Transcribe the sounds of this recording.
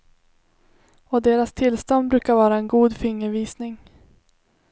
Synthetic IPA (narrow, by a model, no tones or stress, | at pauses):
ɔd̪eːɾast̪ʰɪlst̪ɔnd̪bɾʉ̟ːkaɾvɑːɾaɛnɡuːd̪fɪŋːəɾviːsnɪŋ